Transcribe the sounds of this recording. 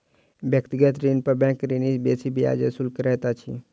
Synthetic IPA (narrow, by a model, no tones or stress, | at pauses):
bjək̚t̪iɡət̪ɾinpəɾbɛ̃ːkɾinisbeːsibʱia̰ːd͡ʒesʊlkɾɛɦt̪at͡ʃʰḭ